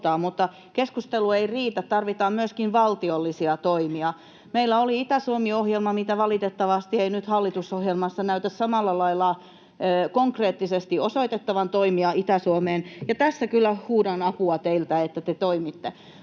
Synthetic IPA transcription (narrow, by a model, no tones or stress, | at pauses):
t̪ɑːmut̪ːɑ | keskust̪elueiriːt̪ætt̪ɑrʋit̪ɑːmmyøskinʋɑlt̪iolːisiɑt̪oimiɑ | meilːˑæoliit̪æsuomiohjelmɑmit̪æʋɑlit̪et̪ːɑʋɑst̪ieinyt̪hɑlːit̪usohjelmɑsːɑnæyt̪æssɑmɑlːɑlɑilːˑɑː | koŋkreːt̪ːisest̪iʔosoit̪et̪ːɑʋɑnt̪oimiɑʔit̪æsuomeːnjɑt̪æsːækylːæhuːdɑnɑpuɑt̪eilt̪æet̪ːæt̪et̪oimit̪ːe